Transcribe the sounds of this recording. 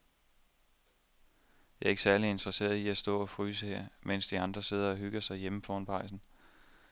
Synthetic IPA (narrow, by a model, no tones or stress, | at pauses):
jɑ̈ɐe̝ɡ̥sæɐliend̥ʁɐse̝̰ːɐðˠiæsd̥ɔ̰̽ːɒ̽fʁyːsəheɐ̰men̰sd̥iɑ̈nd̥ʁɐse̝ð̞̰ˠɐɒ̽ɦyɡ̥ɐsɑ̈ɪjeməfɒːnpʰɑ̈ɪ̰sn̩